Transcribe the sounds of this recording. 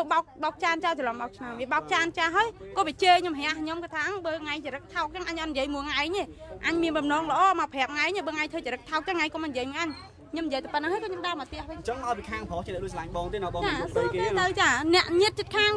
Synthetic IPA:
oɓaʊk̚ɓaʊk̚t͡ɕaː˧nt͡ɕa˧wt͡ɕə˨lɔ˨mɓa˧wk̚t͡ɕʰnamʋi˩əɓaʊk̚t͡ɕaːnt͡ɕaː˧ɦaəjkɔː˧ʋi˩ət͡ɕəːɲo˧mɦɛ̆˧əhɲomkɨːt̪ʰaː˧ŋɓəː˧ŋa˧ŋt͡ɕə˨˩ɾɨk̚t̪ʰaʊk̚t͡ɕəŋʔaɲʔɑ˧t̪̚niji˩əjmu˧əŋaɛɲeː˧ʔa˧ɲmi˧ənɓɑmnɔː˧ŋlə̆ʔɑːma˧wpʰɛ˩əp̚ŋaɛɲa˧ɓəː˧ŋa˧jɲt̪ʰəː˧t͡ɕə˨ɾɨ˧k̚t̪ʰaʊk̚t͡ɕaŋa˧jŋko˧mɔ˧njəjmu˧ʔa˧ɲ | ɲo˧mn˨jiət̪ʰə˧˩pət̪̚n˧ɦaːjkɔː˧ɲo˧mɗa˧mə˨˩t̪ɛ˧əhʋət͡ɕəŋma˧lpi˧kʰaː˧ŋpʰɔ˧t͡ɕi˧nɛ˧ʔlu˧əsa˨laŋɓɑːŋt̪iː˧nɔ˧ɓɑː˧t͡ɕaːk̪ɨket̪əwt͡ɕaː˧nɛ̆əʔɲɨət̪̚t͡ɕət̪̚kʰaːŋ

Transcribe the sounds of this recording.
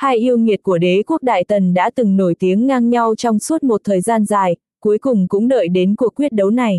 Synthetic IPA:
haː˧jʔi˧əwŋi˨˩ət̚ku˧˩əɗe˨˦ku˦˥ək̚ɗa̰ː˧˨jt̪ə˨˩nɗa̰ː˧˥t̪ɨ˨˩ŋno˧˩jt̪i˨˦əŋːaː˧ŋɲa˧wt͡ɕɔ˧wŋ͡msu˦˥t̚mo˨˩t̚t̪ʰəː˨˩jzaː˧nzaː˨˩j | ku˨˦əjkʊ˨˩ŋ͡mkʊ̰˧˥ŋ͡mɗə̰ː˧˨jɗe˨˦nku˨˩əkːwi˦˥ət̚ɗə˨˦wna˨˩j

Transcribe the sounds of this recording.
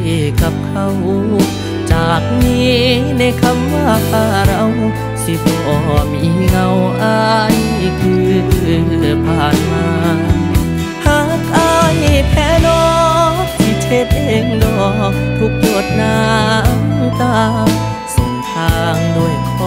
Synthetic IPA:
e˧˩ka˧˦p̚kʰa˧w | t͡ɕaː˨˩k̚niː˦˥na˧˥jkʰa˧˥mːaː˧˩˨kʰaː˧˩ɾa˧w | sʰi˧bɔ˧˩ʔɔː˨˩miː˧˥˩ŋa˧wʔaː˧jkʰɯː˧˩n˧˩˧ | pʰaː˨˩nmaː˧ | haː˧˩k̚ʔa˧˥jpʰɛː˧˥nɔː˧˦k̚sʰi˧t̪ʰe˧˦t̪̚e˧ŋdɔː˧˩t̪ʰu˧k̚lu˧˩ət̪̚na˧mmt̪aː˧˩ | so˧˩ŋt̪ʰaː˧ŋdo˧˩əjkʰɔ˧

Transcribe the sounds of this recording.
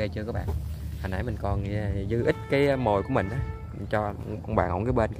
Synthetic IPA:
e˧t͡ɕɨ˧kɔ˨˦ɓa̰ː˧˨nhaː˨˩nʔaː˧˩jmï˨˩ŋ̟kɔ˨˩n˧˩˨zɨ˧˦ʔï˦˥t̟̚kaː˨˦jmo˨˩jku˧˩əmï˨˩ŋ̟ʔaː˨˦ | t͡ɕɔ˧kwŋ͡mɓa̰ː˧˨nʔo̰˨˧˦kːjɓe˧nk

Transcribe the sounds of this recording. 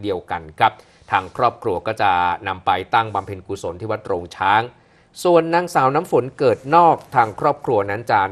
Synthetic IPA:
di˧əwka˧nkʰɾa˦˥p̚ | t̪ʰaː˧ŋkʰɾɔː˥˩p̚kʰɾu˧ɐkɔː˥˩t͡ɕa˨˩na˧mpa˧jt̪a˥˩ŋba˧mpʰe˧nkuː˧˩so˩˦nt̪ʰiː˥˩wa˦˥t̪̚ɾoː˧ŋt͡ɕʰaː˦˥ŋ | su˨˩ənːaː˧ŋsaː˩˦wnaː˦˥mfo˩˦nkɤː˨˩t̪̚nɔː˥˩k̚t̪ʰaː˧ŋkʰɾɔː˥˩p̚kʰɾu˧ɐna˦˥nt͡ɕaː˨˩

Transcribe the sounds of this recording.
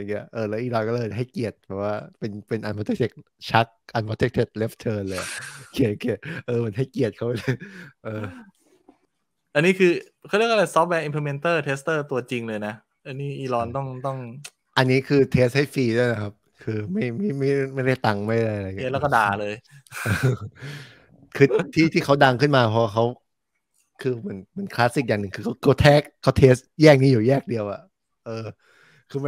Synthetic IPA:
a˧ŋi˦˥ɐ˧ʔɤː˧˩lɛː˦˥ʔiː˧˩lɔː˧kɔː˥˩lɤː˧jaɦa˥˩jki˨˩ət̪̚bɛː˨˩p̚waː˥˩pe˧npe˧nʔa˧npʰːt̪ʰe˦˥k̚t̪ʰe˩k̚ | t͡ɕʰa˦˥k̚ʔa˧npʰo˧˥t̪ʰe˦˥k̚t̪ʰe˨˩t̪̚le˦˥pt̪ʰɤː˧nlɤː˧ja˨˩ki˨˩t̪̚ki˨˩ət̪̚ʔɤː˧mɯ˩˦ənɦa˥˩jki˨˩ət̪̚kʰa˦˥wma˥˩˥jʔɤː˧ | ʔa˧nːiː˦˥kʰɯː˧ | kʰːjɾi˥ək̚ʔa˧˩la˧jsɔ˦˥p̚wɛː˧˥ʔi˧mpʰle˧me˧nt̪ɤː˥˩t̪ʰeː˦˥st̪ɤː˥˩t̪u˧ɐt͡ɕi˧ŋlɤː˧jna˦˥ | ʔa˧niː˦˥˩ʔiː˧lɔː˧nt̪ɔ˥˩ŋt̪ɔ˥˩ŋ | ʔa˧nːiː˦˥kʰɯː˧t̪ʰeː˦˥st̚ha˥˩jfiː˧du˥˩əjna˦˩kʰa˦˥p̚kʰɯː˧ma˥˩jma˥˩jma˥˩jma˥˩jda˥˩jt̪a˧ŋma˥˩ja˥˩jʔa˧ɾa˧jɲ˦˧˩lɛː˦˥˩kɔ˥˩da̰ː˨˧˨lɤː˧jʔɤː˧ | kʰɯː˧t̪ʰiː˥˩t̪ʰiː˥˩kʰa˦˥wda˧ŋkʰɯ˥˩nmaː˧pʰɔ˧waː˥˩kʰa˦˥w | kʰɯː˧mɯ˩˦nma˩˦nkʰlaː˦˥si˨˩k̚jaː˨˩ŋnɯ˨˩ŋkʰɯː˧kʰa˦˥˩kʰa˥˩t̪ʰɛː˦˥˩k̚ʰːa˦˥t̪ʰeː˦˥stjɛː˥˩k̚niː˦˥juː˨˩jɛː˥˩k̚di˧əwʔa̰˨˩ʔ | ʔɤː˧ | kʰɯː˧˥

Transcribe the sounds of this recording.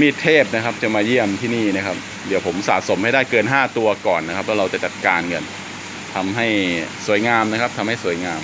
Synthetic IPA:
miː˧t̪ʰeː˥˩p̚na˦˥kʰa˦˥p̚t͡ɕa˨˩maː˧ji˥˩əmt̪ʰi˥˩niː˥˩na˦˥kʰa˦˥p̚ | d̪i˨˦wpʰo˩˦msa̰ː˨˩t̪̚so˩˦mha˥˩jdaː˥˩jkɤː˧nɦaː˥˩t̪u˧ɐkɔː˨˩nːa˦˥kʰa˦˥p̚lɛː˦˥ɾa˧wt͡ɕa˨˩t͡ɕa˨˩t̪̚kaː˧nŋɤ˧n | t̪ʰa˧mɦa˥˩jsu˨˩˦jŋaː˧mna˦˥kʰp̚t̪ʰa˧mha˥˩jsu˩˦jŋaː˧m

